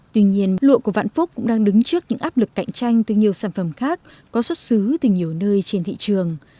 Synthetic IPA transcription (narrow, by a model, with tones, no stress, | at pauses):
t̪wi˧ɲi˧ənlṵ˧˨əku˧˩va̰ː˧˨nfu˦˥k͡p̚kʊ̰˧˥ŋ͡mɗaː˧ŋɗɨ˨˦ŋt͡ɕɨ˦˥ək̚ɲɨ̰˧˥ŋʔaː˦˥p̚lɨ˨˩kːa̰˧˨jŋ̟t͡ɕa˧jŋ̟t̪ɨ˨˩ɲi˨˩əwsaː˧˩nfə˧˩mxaː˦˥k̚ːɔ˨˦swə˦˥t̚sɨ˨˦t̪ɨ˨˩ɲi˨˩əwnəː˧jt͡ɕe˧nt̪ʰḭ˧˨t͡ɕɨ˨˩əŋ